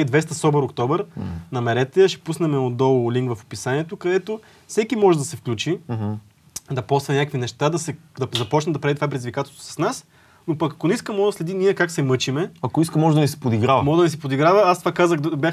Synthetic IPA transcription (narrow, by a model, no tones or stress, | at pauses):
d̪vɛst̪ɐsɔbəɾokt̪ɔbɛɾnɐmɛɾɛt̪ɛʃɛ̥pusnɛmɛod̪ɔlˠliŋkvɐfo̥pisaniɛt̪okɐd̪ɛt̪o | fsɛkimɔʒɛd̪ɐsɛfklʲut͡ʃi | d̪ɐpɔsvɐnʲakəkvinɛʃt̪ad̪ɐsɛd̪ɐzɐpɔt͡ʃnɛd̪ɐpɾad̪it̪ovap̬ɾɛd̪izvʲikat̪ɛlˠst̪vo̥sɐ̥snas | nopɐkɐkonɛiskəmɔd̪ɐslɛd̪inʲiɛkaksɛmɤt͡ʃimɛɐkoiskəmɔʒɛd̪ɐnisɛ̥pod̪iɡɾavəmɔʒɛd̪ɐnis̬ɛpod̪iɡɾavəast̪vakazəxd̪bʲjax